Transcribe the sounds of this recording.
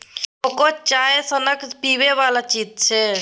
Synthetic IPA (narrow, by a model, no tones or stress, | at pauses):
okot͡ʃaːesənəkpiːʋeʋaːlat͡ʃiːt̪̚t͡ʃʰeː